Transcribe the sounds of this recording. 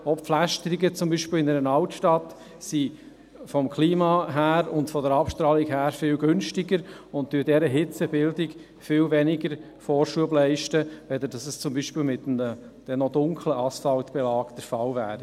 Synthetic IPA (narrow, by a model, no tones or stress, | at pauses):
ɔpflæʃtəɾiɡət͡sʊmbiːʃpɪːlɪnɛɾənɑltʃtɑt | si | fɔmkʰliːmɑɦæːɾʊntfɔdəɾɑpʃtɾɑːlikhæːɾfɪlɡʏnʃtɪɡəɾ | ʊnttyːɾdɛɾəɦɪt͡səbɪldɪk | fɪːlvɛnɪɡəɾ | fɔːɾʃuəblɛɪʃtəʋɛd̪ədɑsəst͡sʊmbiːʃpɪːlmɪt̪ə | d̥ɛnɔdʊŋkʰləʔɑsfɑlt̪b̥ɛlɑːkd̥̪əɾfɑlvæːɾi